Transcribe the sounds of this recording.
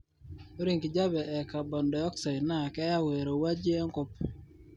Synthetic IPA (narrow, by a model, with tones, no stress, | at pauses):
o˦ɾi˦˨ŋki˨d͡ʒa˦bɛ˨ʔɛ˨ka˨bɔ˨ndɔ˨ɔ˦ksa˨jna˦˨kɛ˦ja˦we˨ɾo˨wa˦d͡ʒe˦ŋko˦p̚